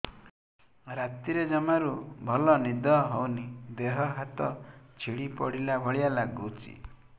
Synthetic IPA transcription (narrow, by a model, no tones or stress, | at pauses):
ɾat̪iɾed͡ʒɔmaɾubʱɔlɔnid̪ɔɦɔwnid̪eɦɔɦat̪ɔt͡ʃʰiɽipɔ̰ɽilabʱɔɭijalaɡut͡ʃḭ